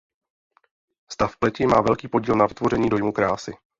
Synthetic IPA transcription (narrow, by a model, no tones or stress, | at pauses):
st̪afplɛcɪmaːvɛlkiːpo̞ɟiːlnavɪt̪vo̞r̝ɛɲiːdo̞jmukɾaːsɪ